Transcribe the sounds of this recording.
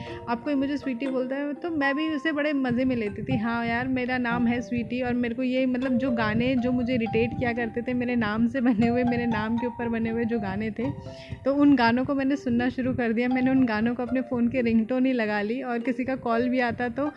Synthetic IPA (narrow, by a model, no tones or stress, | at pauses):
aːp̚koimʊd͡ʒʱeswiːʈiboːlt̪aɦɛt̪omɛ̃ːbʱiʊsebɐɽemɐzemẽleːt̪it̪ʰiɦãːjaːɾmeːɾanaːmɦɛswiːʈiɔːɾmeːɾekojemɐt̪ləb̚d͡ʒoːɡaːned͡ʒoːmʊd͡ʒʱeɾɪʈeːʈkijakɐɾt̪et̪ʰemeːɾenaːmsebɐneɦʊemeːɾenaːmkeʊːpəɾbɐneɦʊed͡ʒoːɡaːnet̪ʰe | t̪oʊnɡaːnõkomɛ̃ːnesʊnːaʃʊɾukɐɾd̪ijamɛːneʊnɡaːnõkoɐpnefoːnkeɾɪ̃ŋɡʈõnɐɦĩlɐɡaːliɔːɾkɪsikakɔːlbʱiaːt̪at̪oː